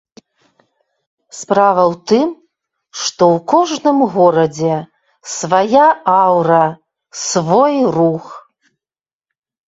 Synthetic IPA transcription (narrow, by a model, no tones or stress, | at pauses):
spɾavɐwt̪ɨm | ʂt̪ɔwkɔʐnɨmɣɔɾɐd͡zʲɛ | svajaawɾɐ | svɔjrux